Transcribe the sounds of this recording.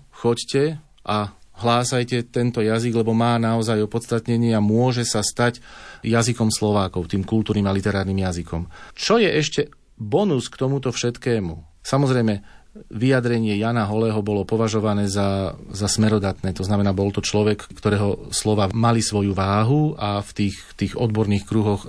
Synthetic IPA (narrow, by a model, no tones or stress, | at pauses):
xɔccɛ | ʔaɦlaːsajcɛt̪ɛnt̪ɔjaziɡlɛbɔmaːnaɔzajɔpɔt̪st̪at̪ɲɛɲɪɛamʊɔʒɛsast̪acjazikɔmslɔʋaːkɔʊt̪iːmkult̪uːɾniːmalit̪ɛɾaːɾniːmjazikɔmt͡ʃɔjɛʔɛʃcɛ | bɔnuskt̪ɔmut̪ɔfʃɛt̪kɛːmṵ | samɔzɾɛjmɛʋijad̪ɾɛɲɪɛjaːnaɦɔlɛːɦɔbɔlɔpɔʋaʒɔʋanɛːzazasmɛɾɔd̪at̪nɛːt̪ɔznamɛnaːbɔlt̪ɔt͡ʃlɔʋɛkkːt̪ɔɾɛːɦɔslɔʋaːmalisʋɔjuʋaːɦuaft̪iːxt̪iːɣɔd̪bɔɾniːxkɾuɦɔx